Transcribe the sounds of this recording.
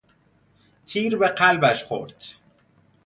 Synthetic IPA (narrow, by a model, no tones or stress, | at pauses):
t̪ʰiːɾbeqælbæʃxo̰ɾd̪̥